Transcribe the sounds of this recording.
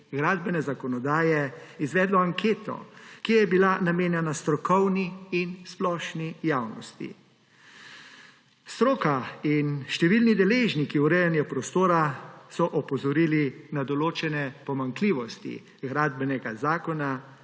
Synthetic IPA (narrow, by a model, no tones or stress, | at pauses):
ɡɾaːd̪bɛnɛzakɔnɔd̪aːjɛizʋɛːd̪lɔaŋkʰeːt̪ɔ̰kijɛbilanameːnjɛnast̪ɾɔkɔwniːnsplɔːʃnijawnɔ̰st̪ḭ | st̪ɾoːkainʃt̪ɛʋilnid̪ɛleːʒnikiuɾɛjɛnjɛpɾɔst̪oːɾasɔʔɔpɔzɔɾiːlinad̪ɔloːt͡ʃɛnɛpɔmaŋkliːʋɔst̪ḭ | ɣɾaːd̪̚bɛnɛɡazaːkɔna